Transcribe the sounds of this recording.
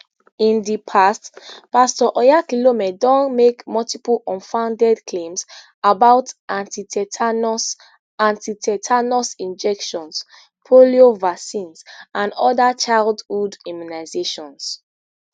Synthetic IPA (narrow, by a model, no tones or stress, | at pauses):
ĩndipʰastpastɔʔɔjakilomɛdɔ̃nmekmɔltipulʔɔ̃nfãʊ̃ndɛdklẽms | abaʊtãntitʰɛtns | ãntitɛtʰanɔsĩnd͡ʒɛkʃɔ̃ns | pʰoliovasĩnsãndɔdat͡ʃaɪldhudĩmunaɪzeʃɔ̃ns